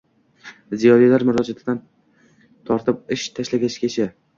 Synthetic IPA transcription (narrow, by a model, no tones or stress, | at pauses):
zijɒɾijlaɾmʊɾɒd͡ʒat̪ʰɪd̪an | t̪ʰɒɾt̪ʰɪp̚ɪʃt̪ʰaʃlaɡʲaʃɪ̥kʲʰet͡ʃʰa